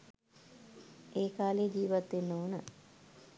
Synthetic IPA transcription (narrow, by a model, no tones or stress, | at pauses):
eːkaːleːd͡ʒiːʋat̪ːenːoːnə